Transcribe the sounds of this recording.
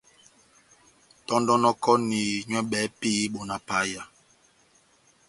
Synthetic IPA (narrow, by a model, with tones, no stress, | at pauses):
tɔ˦ndɔ˦nɔ˦kɔ˦ni˨ɲwɛ˦ɓɛ˨˦pi˦ɓo˨na˨pa˦ja˨